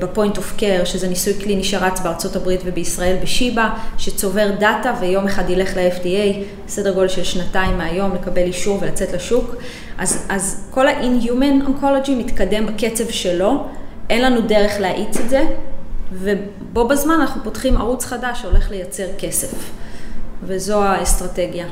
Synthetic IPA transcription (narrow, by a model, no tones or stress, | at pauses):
bepo̞jintofkeʁʃezenisujkliniʃaʁat͡sbeaʁt͡so̞tabʁitve̞beisʁae̞lbeʃibaʃet͡so̞ve̞ʁdatavejo̞meχadile̞χleefdiej | sede̞ʁɡo̞lʃelʃnataimːeajo̞mlekabe̞liʃuʁve̞lat͡se̞tleʃuk | ʔazʔazko̞laʔinjumenonkolod͡ʒimitkade̞mbake̞t͡se̞vʃe̞lo̞ʔe̞nlanudeʁe̞χleaʔit͡setze̞ | ve̞ | bo̞bezmananaχnupotχima̰ʁut͡sχadaʃo̞le̞χle̞jat͡se̞ʁke̞se̞f | vezo̞aestʁate̞ɡja